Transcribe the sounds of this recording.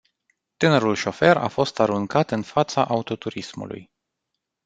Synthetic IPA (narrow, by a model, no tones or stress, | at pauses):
t̪ɨneɾulʃo̞fe̞ɾa̰fo̞st̪aɾuŋkat̪ɨnfat̪saʔaut̪o̞t̪uɾismṵlṵj